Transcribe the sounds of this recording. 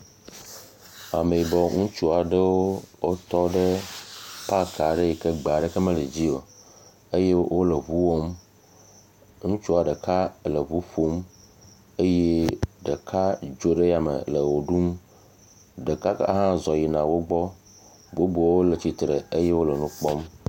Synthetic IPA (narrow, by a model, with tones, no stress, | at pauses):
a˨me˨i˨bɔ˨ŋũ˦t͡ʃu˦a˨ɖə˦wo˦wo˦t̪ɔ˦ɖə˦ | pa˦ka˨ɖə˦ji˨kə˦ɡ͡ba˨ɖə˦kə˦mə̃˦lə˨d͡ʑi˦o˨ | ə˦je˦wo˦lə˨βu˦wo˦m | ŋũ˦t͡ʃu˦a˨ɖə˨ka˦lə˨βu˦ɸo˦m | e˦je˦ɖə˨ka˦d͡ʒo˦ɖə˦ja˨mə̰˨lə˨wo˨ɖu˦m | ɖə˨ka˦kɦã˦zɔ˨ji˨nã˨wo˦ɡ͡bɔ˦ | bo˦bo˨˦wo˦lə˨t͡ɕi˨t̪ɾə˨ə˦je˦wo˦lə˨nũ˦k͡pɔ˦m